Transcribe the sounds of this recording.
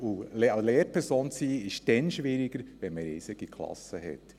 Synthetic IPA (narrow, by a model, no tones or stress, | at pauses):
ulɛleːɾpʰɛɾsoːnt͡siːɪʃd̥ɛnʃʋɪɾɪɡ̥əɾʋɛnməɾɪːsɪɡ̥ikʰlɑ̰səhɛ̰t